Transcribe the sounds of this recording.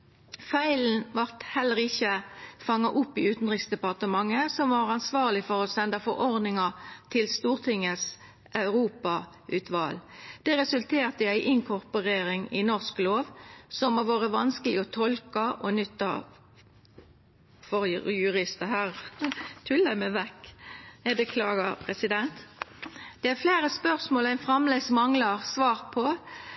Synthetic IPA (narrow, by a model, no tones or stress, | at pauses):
fæɪln̩ʋɑʁt̪hɛlːəʁɪçəfɑŋːɑʔʊpːɪʉːt̪n̩ʁɪksd̪ɛpɑʁt̪əmɑŋːəsɔmʋɑʁɑnsʋɑːʁlɪfɔʁɔsɛnd̪ɑfɔʁɔʁd̪nɪŋɑt̪ʰɪlst̪uːʁt̪ʰɪŋːəs | ɑʉʁuːpɑ | ʉːt̪ʰʋɑld̪̥ɛʁɛsʉlt̪ʰeːʁt̪əɪæɪʔɪŋkʰɔʁpɔʁeːɾɪŋɪnɔʁskloːʋsɔmːoːʋoːʁəʋɑnskəlɪɔt̪ʰɔlkɑʔɔnʏt̪ːɑ̰ | fɔɾjʉʁɪst̪əhæːʁt̪ʰʉlːæmæʋɛkːæbəkʰlɑːɡəʁpʰʁɛsɪd̪ɛnt̪ | d̪̥ɛæʁfleːɾəspœʁsmoːlæɪnfʁɑmlɛɡsmɑŋləʁsʋɑːʁpʰɔ